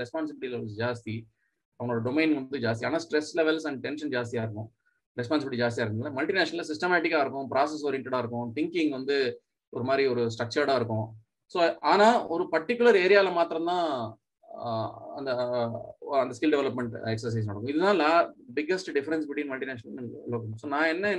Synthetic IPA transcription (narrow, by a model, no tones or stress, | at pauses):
ɾɛspaːnsɪbɪʈilɐd͡ʒaːst̪i | ɐʋɐŋɡɭoːɽɐɖɔmeɪnʋɐnd̪ɯd͡ʒaːst̪iaːnaːsʈɾɛslɛʋɛlsɐɳɖʈɛnʃɐnd͡ʒaːst̪ijaːɪɾɯkːʊ̃ | ɾɛspaːns̬ɪbɪʈːid͡ʒaːst̪jaːɾkːnnːãːmɐlʈinaːʃɐnɐls̬ɪsʈɐmaːʈɪkːaːɪɾɯkːʊ̃pɾʔaːs̬ɛs̬oːɾɪɛɳʈɛɽaːɪɾɯkːʊ̃t̪ɪŋkɪ̃ŋɡʋɐnd̪ɯ | ɔɾɯmaːd̪ɾiɔɾɯsʈɾɐk̚t͡ʃɐɾɽaːɪɾɯkːʊ̃ | soːaːnaːɔɾɯpɐɾʈːɪkːʊlɐɾeːɾɪjaːɪlɐmaːt̪ɪɾɐ̃nt̪ãː | ɐnd̪ɐ | ɐnd̪ɐskɪlɖɛʋɛlɐpmɛɳʈɛksɐɾs̬ɐɪs̬nɐɽɐkːʊ̃ɪðɯt̪ãːlaːbɪɡːɐsʈɖɪfɐɾɛnsbɪʈʋiːnmɐlʈineːʂnɐlɐkːsoːnãːɛnːɐ